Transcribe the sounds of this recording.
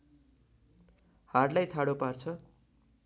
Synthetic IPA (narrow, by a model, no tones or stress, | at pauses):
harlajt̪ʰaɽopart͡sʰʌ